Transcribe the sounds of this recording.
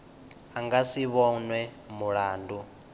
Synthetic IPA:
aŋɡasiβɔnwɛ | muɺaːndu

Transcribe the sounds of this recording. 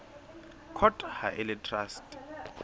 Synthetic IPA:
kʰɔtʼha̰ʔɪlɛtʰrastʼ

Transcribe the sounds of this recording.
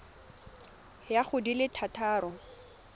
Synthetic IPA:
jaχʊdilɪtʰatʰaːrɔ

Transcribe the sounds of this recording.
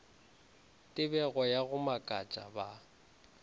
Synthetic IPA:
tʼɪbɛɣɔjaɣʊmakʼat͡ʃʼa̰ba

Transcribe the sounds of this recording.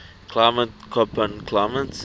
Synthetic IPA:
kʰlamətkʰɔpə̃nkʰlamə̃ns

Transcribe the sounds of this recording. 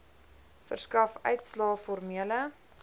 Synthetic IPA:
fə̰rskɐfœ̰ɥtslɑːfɔrmiələ

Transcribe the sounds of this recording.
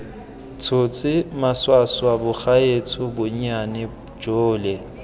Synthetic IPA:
t͡sʰʊt͡sʼɪmaswaswabʊχaet͡sʰʊbʊɲ̩anɪ̥ | d͡ʒoːlɛ

